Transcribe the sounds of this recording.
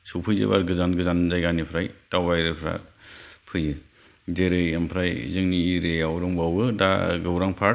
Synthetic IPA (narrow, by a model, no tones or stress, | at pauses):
suwpʰɯjzɯ̰ba̰ɾɡɯzanɡɯzanzajɡanipʰɾajtawbajɾɯpʰɾa̰pʰɯjɯ | deɾɯjɯmpʰɾajzɯŋniɾejawɾɯŋbawɯda̰ɡɯwɾaŋpʰa